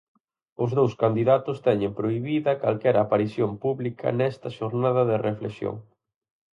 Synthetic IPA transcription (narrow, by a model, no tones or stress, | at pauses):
ʊzðowskand̪iðat̪ʊst̪ɛɲempɾoiβiðɐkalkɛɾapaɾisjompuβlikʰɐ̰nɛst̪ɐʃoɾnaðɐðereflḛsjo̰ŋ